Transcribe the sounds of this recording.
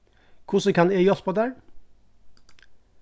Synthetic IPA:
kʰʊsəkʰɑnejɔspʰoːd̪æːɹ

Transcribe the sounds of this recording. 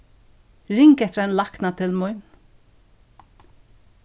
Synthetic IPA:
ɾɪŋkɛht̪ɾanlahknat̪ʰɪlmʊʏn

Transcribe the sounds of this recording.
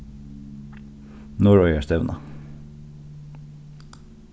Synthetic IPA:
nɔɹɔʏəst̪ɛʋnʔɑ̰

